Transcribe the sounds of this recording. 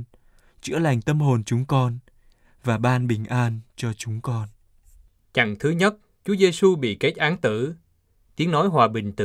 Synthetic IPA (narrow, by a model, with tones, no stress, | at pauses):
t͡ɕɨ̰˧˥əla˨˩jŋ̟t̪ə˨˦mɦo˨˩nt͡ɕʊ˨˦ŋ͡mkɔ˧n | vaː˨˩ɓaː˧nɓï˨˩ŋ̟ʔaː˧nt͡ɕɔ˧t͡ɕʊ˨˦ŋ͡mkɔ˧n | t͡ɕa̰˧˩˨ŋt̪ʰɨ˨˦ɲə˦˥t̚ | t͡ɕu˨˦əze˧su˧ɓḭ˧˨ke˦˥t̚ʔaː˨˦ŋt̪ɨ̰˧˩˨ | t̪i˨˦əŋnɔ˨˦jɦwaː˨˩ɓï˨˩ŋ̟t̪ɨ̰˧